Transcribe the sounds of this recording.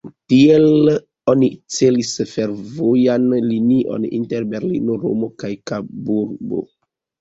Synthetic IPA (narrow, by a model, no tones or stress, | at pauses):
tiel | onit͡se̞lisfe̞ɾvojanliniʔo̰nḭnteɾbe̞ɾlḭnoɾo̰mo̞kajkabuɾbo̰